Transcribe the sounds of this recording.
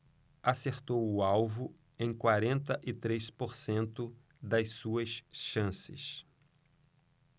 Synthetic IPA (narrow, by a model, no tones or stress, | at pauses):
aseɾt̪owʊawvʊ | ẽj̃kwaɾẽnt̪ɐʔɪt̪ɾespoɾsẽnt̪ʊ | d̪ɐjsuɐsʃɐ̃sɪ̰s